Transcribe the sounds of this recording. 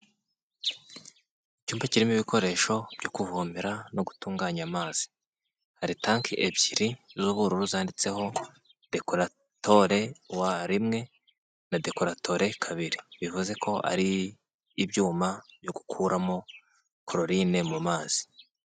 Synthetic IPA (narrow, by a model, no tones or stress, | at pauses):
icuːmbaciɾimiβiko̞ɾe̞ːʃo̞b̥ɟokuvumiɾano̞ɡutuːŋɡaːɲamaːz̥i̥ | haɾitaŋkebɟiɾizuβuɾuɾuzaːndit͡se̞ɦo̞ | d̥e̞ko̞ɾa | to̞ɾe̞waɾimŋe̞ | nade̞ko̞ɾatʰo̞ɾe̞kʰaβiɾiβivuze̞kʰo̞ʔa̰ɾiː | bɟuːmabjo̞ɡu̥kʰuːɾamo̞ | kʰɾoɾinemumaːz̥i̥